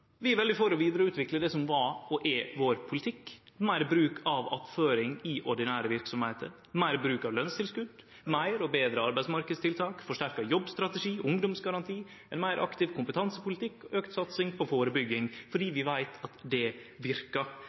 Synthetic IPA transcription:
ʋɪæɾʋɛld̪ɪfoːɾɔʋiːd̪əɾəʉːt̪ʋɪkləd̪ɛsɔmʋɑɔʔɛʋoːɾpʰʊlɪt̪ʰɪkː | mæɪɾbɾʉːkʰɑʋɑpføːɾɪŋɪʔɔɖɪnæːɾəʋɪɾksɔmheːt̪ʰə̰ɾ | mæɪɾbɾʉːkɑʋlœnst̪ʰɪlskʉd̪ | mæɪɾɔbeːd̪ɾəɑɾbæɪsmɑɾkəd̪st̪ɪlt̪ʰɑːkfɔʂʈæɾkɑjɔbːst̪ɾɑt̪ɛʂiːʔʊŋd̪ɔmsɡɑɾɑnt̪ʰiː | ɛnmæɪɾʔɑ̰kt̪ɪʋkʰʊmpət̪ʰɑnsəpʊlɪt̪ʰɪkːɔøːkt̪sɑt̪sɪŋpʰɔfoːɾəbʏɡːɪŋfɔɖiːʋɪʋæɪt̪ʰɑt̪d̪ɛʋɪɾkɑ

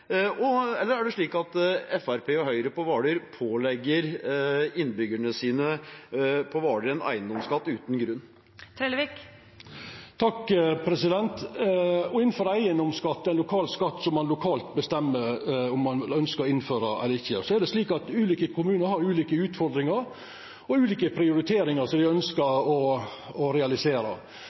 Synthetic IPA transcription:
ɔɛlːəɾæɖɛʂɭiːkɑt̪ɛfæɾpeːɔhœʏɾəpɔʋɑːɖəɾpʰoːlɛɡːəɾ | ɪnbʏɡəɳəsiːnə | pʰɔʋɑːɖəɾɛnæ̰ɪənd̪ɔmskɑt̪ːʉːt̪n̩ɡɾʉnː | t̪ʰɾeːlʋik | t̪ʰɑkːpʰɾɛsɪd̪ɛnt̪ | ɔɪnn̩føːɾəæɪənd̪ɔmskɑt̪ːɛɪnlʊkʰɑːlskɑt̪ːsɔmːɑnlʊkʰɑːlt̪̚bəst̪ɛmːəɾɔmːɑnlœnskəɾɔɪnføːɾəɛ̰ləɾɪçːəsɔæɖ̪ɛsliːkɑt̪ʉːliːkəkʰʊmʉːnəɾhɑɾʉːliːkəʉːt̪fɔɾd̪ɾɪŋəɾ | ɔʉːliːkəpʰɾɪʊɾɪt̪ʰeːɾɪŋəsɔmd̪ɪœnskəɾɔ | ɔɾɛɑlɪseːɾə̰

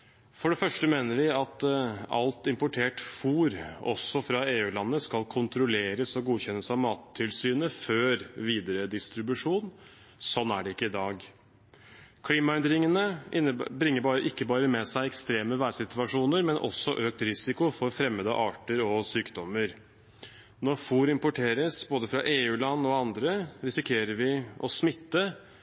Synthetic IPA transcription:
fɔɖɛfœʂʈəmeːnəɾʋɪɑt̪ɑ̰lt̪ɪmpʊʈʰeːʈfuːɾɔsːɔfɾɑeːʉːlɑnːəskɑlkʰʊnt̪ɾʊleːɾəsɔɡuːçɛnːəsɑʋmɑːt̪ʰːɪlsyːnəføːɾʋiːd̪əɾəd̪ɪst̪ɾɪbʉʂuːn | sɔnːæɖɛɪkːəɪd̪ɑːɡ | kʰliːmɑɛnd̪ɾɪŋənəɪbɾɪŋːəɾbɑːɾəʔɪkːəbɑːɾəmɛsæɪɛkst̪ɾeːməʋæːsɪt̪ʉʋɑʂuːnəɾmɛnʔɔ̰sːɔ̰ʔøːk̚t̪ɾɪsɪkʊfɔɾfɾɛmːəd̪ɑ̰ʔɑːʈəɾɔsyːkd̪ɔmːəɾ | nɔɾfuːɾɪmpɔʈʰeːɾəsboːd̪əfɾɑʔeːʉːlɑnːɔɑnd̪ɾəɾɪsɪkʰeːɾəɾʋɪʔɔsmɪt̪ːə

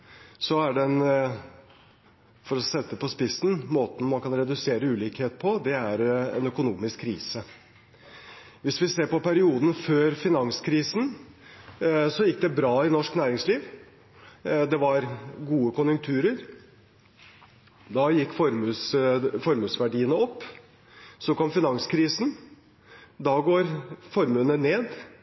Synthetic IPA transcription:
sɔæɖɛn | fɔɾɔsɛt̪ːəpɔspɪsːn̩moːt̪n̩mɑnkɑnɾɛd̪ʉseːɾəʉːliːkheːt̪pʰɔd̪ɛæɾɛ̰nœkʊnuːmɪskʰːɾiːsə | ʋɪsʋɪseːɾpɔpæɾɪuːd̪n̩føːɾfɪnɑŋskʰɾiːsn̩ | sɔjɪkːd̪ɛbɾɑːɪnɔʂknæːɾɪŋsliːʋ | d̪ɛʋɑɾɡuːəkʊnjʉŋk̚t̪ʰʉːɾəɾ | d̪ɑjɪkːfɔɾmʉsfɔɾmʉːsʋæɖiːənəɔpː | sɔkɔmfɪnɑŋskʰɾiːsn | d̪ɑɡoːɾfɔɾmʉːnəneːd̪

